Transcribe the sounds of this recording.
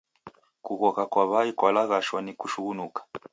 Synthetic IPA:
kuɣɔkakwaβaikwalaɣaʃwanikuʃuɣunukḁ

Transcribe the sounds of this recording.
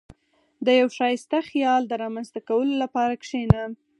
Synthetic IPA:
d̪əjawʃɑjɪst̪axijɑld̪əɾɑmanzt̪akawəlolapɑɾakʂena

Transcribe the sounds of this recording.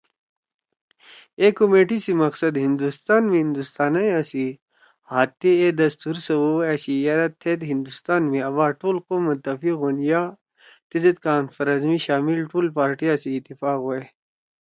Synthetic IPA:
ekomeːʈisimɐqsɐd̪ɦĩnd̪ust̪aːnmĩɦĩnd̪ust̪aːnɐjasi | haːt̪ːeed̪ɐst̪uːɾsɐwuesijɐɾɐt̪ʰːeːt̪ɦind̪ust̪aːnmẽɐʋaːʈuːlqoːmːɐt̪ːɐfikɦonjaː | t̪izɐt̪̚kaːnfɐɾɐzmiɕaːmilʈuːlpaːɾʈijasiːt̪ːifaːkɦoe

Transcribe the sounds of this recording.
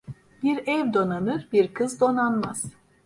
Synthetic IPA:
biɾɛvd̪o̞nanɯɾbiɾkʰɯzd̪o̞nanmaz̥

